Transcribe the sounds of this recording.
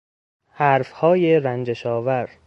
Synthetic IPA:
hæɾfhɒːjeɾænd͡ʒeʃɒːvæɾ

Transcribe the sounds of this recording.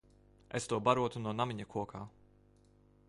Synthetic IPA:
est̪uɔbaɾuɔt̪unuɔnamiɲakʰuɔkʰaː

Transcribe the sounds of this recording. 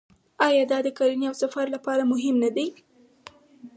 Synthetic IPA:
ɑjɑd̪ɑd̪əkɑɾiniawsafaɾlapɑɾamʊɦɪmnad̪aj

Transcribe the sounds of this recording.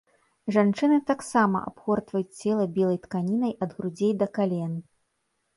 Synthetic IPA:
ʐant͡ʂɨnɨt̪aksamɐ̰ʔa̰pxɔrt̪vɐjut͡sʲt͡sʲɛlˠɐbʲilˠɐjt̪kanʲinɐjʔɐd̪ɣɾud͡zʲejd̪ɐkalʲɛn

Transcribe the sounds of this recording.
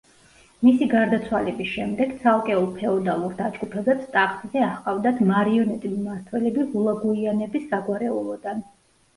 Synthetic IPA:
misiɡaɾd̪at̪sʰwalɛbisʃɛmd̪ɛɡ̥t̪sʰalˠkʼɛulˠpʰɛɔd̪alˠuɾd̪ad͡ʒɡupʰɛbɛpst̪ʼaχt̪zɛaχqʼavd̪at̪ʰmaɾiɔnɛt̪ʼilmaɾt̪ʰwɛlɛbiʁulˠaɡuianɛbisːaɡwaɾɛulˠɔd̪an

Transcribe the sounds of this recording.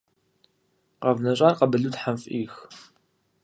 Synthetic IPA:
qɐvnɐɕʼaːrqɐbɨɮuːtħamfʔiːx

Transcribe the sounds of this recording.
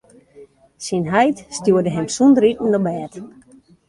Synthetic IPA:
sinɦɛjtstjuədəɦɛmsundɾitn̩ɔbɛːt

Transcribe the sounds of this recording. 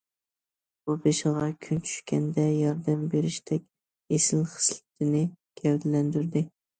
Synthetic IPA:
bubeʃɨʁɑkʲʰynt͡ʃʰy̥ʃkʲɛnd̪ɛjɑɾd̪æmbeɾɪʃt̪ɛkʲ | esɪlχə̥slˠɪ̥t̪ʰɪnɪɡ̥ʲɛwd̪ɪlɛnd̪yɾd̪ɪ

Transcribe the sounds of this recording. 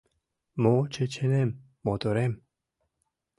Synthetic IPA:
mɔt͡ʃʰet͡ʃʰenemː | ɔd̪oɾem

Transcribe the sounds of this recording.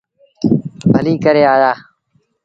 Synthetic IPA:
bʱəliːkəɾeːaːjaː

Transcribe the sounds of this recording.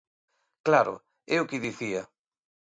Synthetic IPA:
klaɾʊ̰ | ɛʊkɪðiθiɐ

